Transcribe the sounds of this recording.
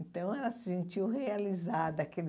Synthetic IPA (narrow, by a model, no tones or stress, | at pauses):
nt̪ɐ̃w̃ɛlɐsɪ̥sẽnt͡ʃiwhealizad̪ɐakel